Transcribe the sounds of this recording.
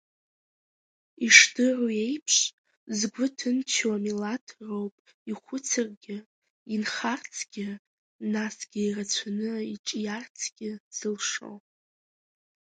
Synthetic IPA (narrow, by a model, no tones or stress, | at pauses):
iʂdɨruje̞jpʰʂ | zɡʷʊtʰɨnt͡ʃʰwamilatʰrowpʼ | iχʷʊt͡sʰɨrɡʲɪ | inχart͡sʰɡ̥ʲɪ | nasɡ̥ʲɪirat͡sʷʰanɨit͡ʃʼjart͡sʰɡ̥ʲɪz̥ɨlʂo̰w